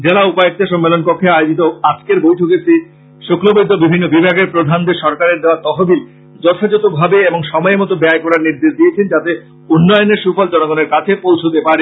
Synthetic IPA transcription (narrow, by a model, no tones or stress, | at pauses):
d͡ʑelaupaek̚t̪eʃɔmːelonkokʰːeaeod͡ʑit̪oad͡ʑkeɾbojʈʰoket͡ɕʰi | ʃoklobod̪ʱːobibʱinːobibʱaɡeɾpɾod̪ʱand̪eʃɔɾkaɾeɾd̪eoat̪ɔɦobil | d͡ʑɔt̪ʰad͡ʑot̪obʱabeeboŋʃɔmɔemɔt̪obɛaekɔɾaɾniɾd̪eʃd̪ijet͡ɕʰend͡ʑat̪e | unːɔjoneɾʃufɔld͡ʑɔnoɡoneɾkat͡ɕʰepowt͡ɕʰot̪epaɾe